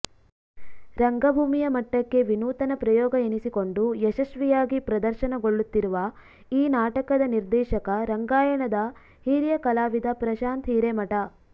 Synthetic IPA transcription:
ɾɐŋɡɐbʱuːmijɐmɐʈːɐkːe̞ʋinuːt̪ɐnɐpɾɐjɔːɡɐenisiko̞ɳɖujɛʃɐʃʋijaːɡipɾɐd̪ɐɾʃɐnɐɡo̞ɭːut̪ːiɾuʋɐ | iːnaːʈɐkɐd̪ɐniɾd̪ɛːʃɐkɐɾɐŋɡaːjɐɳɐd̪ɐ | hiːɾjɐkɐlaːʋid̪ɐpɾɐʃaːnt̪ɦiːɾemɐʈɐ

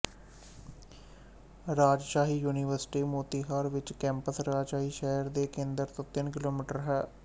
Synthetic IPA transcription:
ɾaːd͡ʒʃaːɦiːjuːniːʋəɾsʈiːmoːt̪iːɦaːɾʋɪt͡ʃkɛ̃ːmpəsɾaːd͡ʒʃaːɦiːʃɛːəɾd̪eːkẽːnd̪əɾt̪õːt̪ɪnkɪloːmiːʈəɾɦɛː

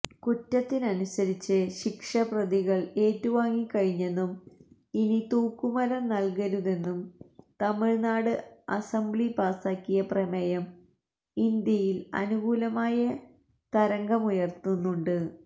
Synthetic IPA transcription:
kutːɐt̪ːinɐnusɐɾit͡ɕːɨɕikʂɐprɐðiɣɐɭe̞ːtːuʋaːŋːikːɐɻiɲːe̞nːum | init̪uːkːumɐɾɐmnɐlkɐɾuðe̞nːumt̪ɐmiɻnaːɽɨɐsɐmbɭipaːsaːkːijɐpremɐjɐm | ind̪jɐjilɐ̰nuɡuːlɐmaːjɐ | t̪ɐɾɐŋɡɐmujɐrt̪unːuɳɖɨ

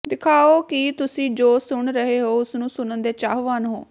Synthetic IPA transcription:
d̪ɪkʰaːoːkɪt̪ʊsĩːd͡ʒoːsʊɳɾəɦeːɦoːʊsnũːsʊnənd̪eːt͡ʃaːɦʋaːnɦoː

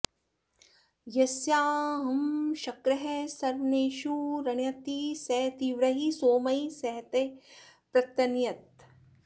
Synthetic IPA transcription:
jɐsjaːɦɐmʃɐkɾɐɦesɐɾʋɐneːʃuɾɐɳjɐt̪isɛt̪iːʋɾɐɦisoːmɐisɐɦt̪epɾɐt̪ɐnjɐt̪̚

